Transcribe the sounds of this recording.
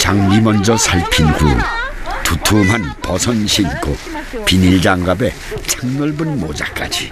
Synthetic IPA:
t͡ɕaŋmimʌnd͡ʑʌsʰaɭpʰinhṵtutʰumɦanpʌsʰʌnɕʰinkʰo | piniɭd͡ʑaŋɡabe̞ | t͡ɕʰaŋnʌɭbɯnmod͡ʑa̰k͈a̰d͡ʑi

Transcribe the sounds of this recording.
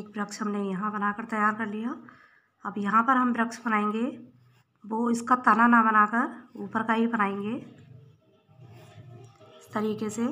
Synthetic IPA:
eːk̚bɾəkʃɦɐmnejɐɦãbɐnaːkəɾt̪ɐjaːɾkɐɾlija | ɐbjɐɦãpəɾɦɐmbɾəkʃbɐnaːẽŋɡe | ʋoɪskat̪ananabɐnakəɾuːpəɾkaɦibɐnaːẽŋɡe | ɪst̪əɾiːkese

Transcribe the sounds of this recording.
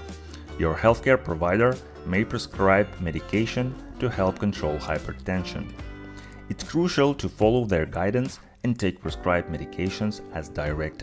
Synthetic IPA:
jɔɹhɛlˠθkɛɹpʰɹɔvaɪɾəɹ | meɪpʰɹɛskʰɹaɪbmɛɾɨkʰeɪʃə̃ntuhɛlˠp̚kə̃n̩tʰɹ̥oʊlˠhaɪpʰətʰɛ̃nʃə̰̃n | ɨtskʰɹuʃəlˠtʰufɑlˠoʊðəɹɡaɪd̃n̩s | ɛ̃ntʰeɪk̚pʰɹɛskɹaɪb̚mɛɾɪkʰeɪʃə̃nzæzdaɪɹɛk̚t

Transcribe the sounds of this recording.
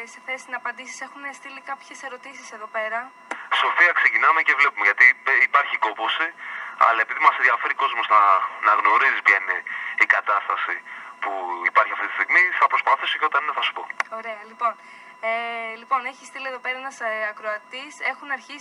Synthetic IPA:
se̞θesinɐpɐnd̪isi̥se̞xunest̪ilikɐpçe̞se̞ɾo̞t̪isiseðo̞pe̞ɾɐ | so̞fiɐkse̞cinɐme̞ce̞vle̞pumeʝɐt̪iipɐɾçiko̞po̞siɐ̰lɐepiðimɐsenðiɐfe̞ɾiko̞zmosθɐnɐɣno̞ɾizipçɐineikɐt̪ɐst̪ɐsipuipɐɾçiɐft̪it̪ist̪iɣmiθɐpɾospɐθisoceot̪ɐnineθɐsu̥po̞̰o̞ɾe̞ɐlipo̞n | elipo̞neçi̥st̪ilieðo̞peɾɐenɐsɐkɾoɐt̪ise̞xunɐɾçi

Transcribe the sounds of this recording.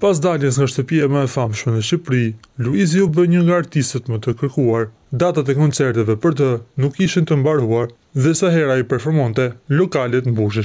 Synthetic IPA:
pas̬d̪aljɛs̬ŋɡaʃt̪əpiaməɛfamʃmɛnəʃipɾiluiziubəɲəŋɡaːɾt̪ist̪ət̪mət̪əkəɾkuaɾ | d̪at̪at̪ɛkɔnt͡sɛɾt̪ɛvɛpəɾt̪̬ənukːiʃint̪əmbaɾuaɾ | ðɛsaɦɛɾaipɛɾfɔɾmɔnt̪ɛlɔkalɛt̪mbuʃ̬ɛʃ

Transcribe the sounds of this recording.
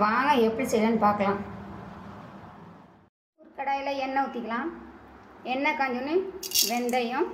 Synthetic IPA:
ʋaːŋɡɐɛpːɐɽisɛɾlɐnːɯpaːɾkɐlãː | uːɾkɐɽaːjɪlɐɛnːɐʊt̪ːɪkːɐlãː | ɛnːɐkaːɲd͡ʒʊnɯʋɛnd̪ɐjɯ̃m

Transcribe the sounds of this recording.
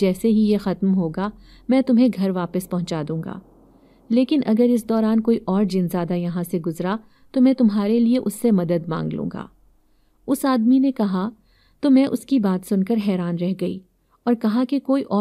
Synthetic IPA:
d͡ʒɛːseɦijexɐt̪mɦoːɡamɛ̃ːt̪ʊmɦẽɡʱɐɾʋaːpəspɐɦʊ̃t͡ʃaːd̪ũːŋɡa̰ː | leːkɪnʔɐ̰ɡəɾɪs̬d̪ɔːɾaːnkoːiʔɔːɾd͡ʒɪnzjaːd̪ajɐɦãseɡʊzɾa | t̪omɛ̃ːt̪ʊmɦaːɾelieʔʊsːemɐd̪əd̪mã̰ːŋɡlṵ̃ːŋɡa̰ː | ʊsaːd̪minekɐɦa | t̪omɛ̃ːʔʊskibaːt̪sʊnkəɾɦɛːɾaːnɾɛɦɡɐḭː | ɔːɾkɐɦakekoːiʔɔː

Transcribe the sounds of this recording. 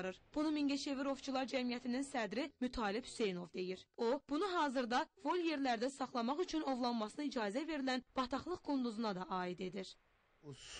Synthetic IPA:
ɾɯɾb̥unumiŋɟeʃe̞viɾo̞vt͡ʃʰulˠɑɾd͡ʒæmijæt̪ʰininsæd̪ɾimyt̪ʰɑːlibphy̥se̞jno̞vd̪e̞jiɾo̞b̥unuɦɑːzɯɾd̪ɑvo̞lʲje̞ɾlæɾd̪æsɑχlˠɑmɑχyt͡ʃʰyno̞vlˠɑnmɑsɯnɯid͡ʒɑːzæve̞ɾilænb̥ɑt̪ʰɑχlˠɯχɡond̪uzunɑd̪ɑʔɑːid̪e̞d̪iɾ

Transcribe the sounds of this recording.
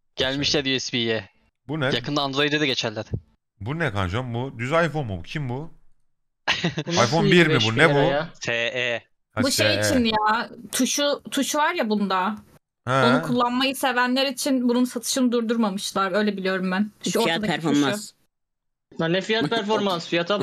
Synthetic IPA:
ɟ̥ælʲmiʃlʲɛd̪jɛspijɛ | bunɛjakʰɯnd̪aːnd̪ɾojd̪ed̪ɛɟe̞t͡ʃʰæɾlʲːæɾ̥ | bunɛka̰nd͡ʒambud̪yzajfo̞nmubucʰimbu | ajfo̞nnbiɾmibunɛbut̪ʰee | abuʃejit͡ʃʰinjaːt̪ʰuʃut̪ʰuʃvaɾjabund̪a | hɛonukʰulˠːanmajɯse̞vænlʲeɾit͡ʃʰinbununsat̪ʰɯ̥ʃɯnɯd̪uɾd̪uɾmamɯʃlˠaɾø̞jlʲɛbilijo̞ɾumbænʃuɾad̪aɾfeɾa | anɛfijat̪pʰæɾfoɾmansfijat̪ʰa

